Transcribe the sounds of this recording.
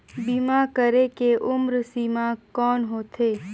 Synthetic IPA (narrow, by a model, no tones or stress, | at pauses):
bimakəɾekeʔʊmɾsimãkɔːnɦoːt̪ʰeː